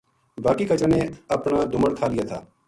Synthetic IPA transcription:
baːkikɐt͡ʃəneɐpnad̪ʊməɽkʰaːlɪjat̪ʰa̰ː

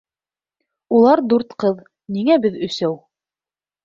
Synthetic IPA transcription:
ulˠɑɾd̪uɾt̪qɤð | niŋæbɘðɵ̆sæw

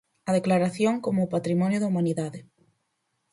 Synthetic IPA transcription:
ɐðeklaɾaθjoŋkomʊːpat̪ɾimɔnjʊðɐumaniðaðɪ

